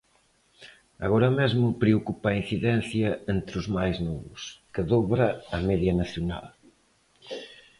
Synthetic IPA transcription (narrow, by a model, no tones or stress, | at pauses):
a̰ɣɔɾɐmezmʊpɾeokupain̟θiðɛn̟θjɐent̪ɾʊzmajznɔβʊ̰skɪðɔβɾɐɐmɛðjɐnaθjona̰l